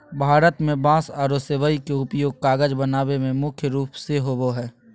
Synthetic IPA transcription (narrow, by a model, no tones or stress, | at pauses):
bʱaːɾət̪mẽbãːsaːɾoseʋaikeʊpjoːɡ̚kaːɡəd͡ʒbənaːʋemẽmʊkʰjəɾuːpseɦoʋoɦɛː